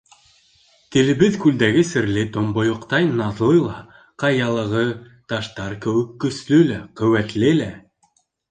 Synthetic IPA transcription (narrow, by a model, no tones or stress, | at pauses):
t̪ɘ̆lɘ̆βɘðkʉld̪æɡɘsɘ̆ɾlɘt̪ŏmbŏjŏqt̪ɑjnɑðlˠɤjlˠɑ | qɑjɑlˠɤ̆ʁɤ | t̪ɑʃt̪ɑɾkɘ̆wɘ̆kːɵ̆slɵlæqɵ̆wæt̪lɘlæ